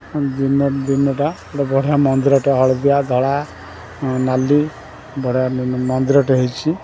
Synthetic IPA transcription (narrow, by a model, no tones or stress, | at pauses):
d̪inɔd̪inɔʈaeɽɔbɔɽ̤ijamɔnd̪iɾɔʈeɦɔɭd̪ijad̪ʱɔɭa | nali | bɔɽ̤ijamɔnd̪iɾɔʈeɦɔjt͡ʃʰi